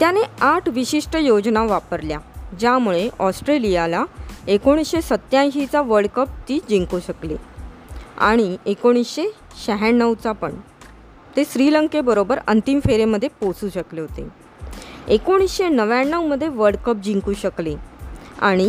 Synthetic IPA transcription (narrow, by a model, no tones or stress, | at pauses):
t̪janeaʈʰʋiɕiʂʈəjod͡ʑnaʋapəɾljad͡ʑjamuɭeʔɔsʈɾelijalaekoɽ̃isɕesət̪ːjãjɕit͡saʋəɾɽɖkəp̚t̪iːd͡ʑiŋkuːɕəklḛ | a̰ɽ̃iekoɽ̃isɕe | ɕəɦaɳːəʋt͡sapəɳ | t̪esɾiləŋkebəɾobəɾə̰nt̪imfeɾeməd̪ʱːjeposuːɕəkleɦot̪e | ekoɽ̃isɕenəʋjaɳːəwməd̪ʱːjeʋəɾɽkəp̚d͡ʑiŋkuːɕəklea̰ɽ̃i